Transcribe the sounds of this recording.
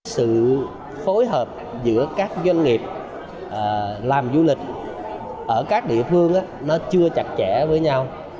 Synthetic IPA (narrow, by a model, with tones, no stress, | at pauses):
sɨ̰˧˨ | fo˨˦jɦəː˨˩p̚zɨ̰˧˥əkaː˦˥k̚zwa˧ŋ̟ŋi˨˩əp̚ | ʔəː˨˩laː˨˩mzu˧lï˨˩k̟̚ | ʔəː˧˩kaː˦˥k̚ɗḭ˧˨əfɨ˧əŋʔaː˨˦nɔ˨˦t͡ɕɨ˧ət͡ɕa˨˩t̚t͡ɕɛ˧˩˥vəː˨˦jɲa˧w